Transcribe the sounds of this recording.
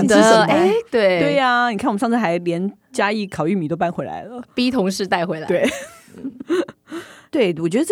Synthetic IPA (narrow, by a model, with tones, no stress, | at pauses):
ə˥e˥t̪we˥˩ɪt̪we˥˩ɪa˩ni˨kʰa˥˩wʂɑ˥˧t͡s̩ʰ˥˩xa˧˥ɪljɛ˧˥n | t͡ɕja˥i˥˩kʰɑ˨˩ʊy˥˩mi˨˩t̪o˥ʊpa˥nxwe˧˥ɪla̰˧˥ɪlə˦pi˥t̪ʰʊ˧˥ŋʂɻ̩˥˧t̪a˥˩ɪxwe˧˥ɪla̰˧we˥˩ɪ˥ | t̪we˥˩ɪwɔ˨˩t͡ɕɥɛ˧˥ə˧˥